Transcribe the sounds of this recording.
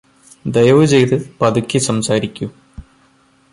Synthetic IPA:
d̪ejɐʋɨt͡ɕe̞jt̪ɨpɐd̪ukʲːisɐmsaːɾikʲːu

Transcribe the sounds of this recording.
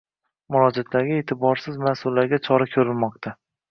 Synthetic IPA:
mʊɾɒd͡ʒat̪ʰlaɾɡʲae̞ːt̪ʰɪbɒɾsɪzmasʊlːaɾɡʲat͡ʃʰɒɾakʲʰɵɾɪlmɒq̚t̪ʰa

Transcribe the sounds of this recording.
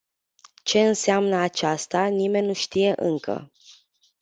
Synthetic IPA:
t͡ʃe̞ɨnseamnəat͡ʃast̪anime̞nʲːuʃt̪ije̞ʔɨŋkʰə̰

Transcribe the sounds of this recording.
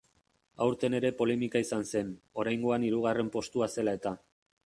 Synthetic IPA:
awɾt̪e̞ne̞ɾe̞po̞le̞mikaisanse̞no̞ɾajŋɡo̞aniɾuɣ̞are̞mpo̞st̪uase̞lae̞t̪a

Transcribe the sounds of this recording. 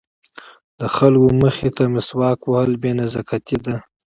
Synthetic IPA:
d̪əxalɡoməxet̪amɪswɑːkwahəlbenazakʰat̪id̪a

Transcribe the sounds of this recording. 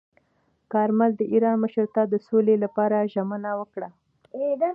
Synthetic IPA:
kɑɾmald̪əʔiɾɑnməʃəɾt̪ɑd̪əsolelapɑɾaʒamanawəkɽa

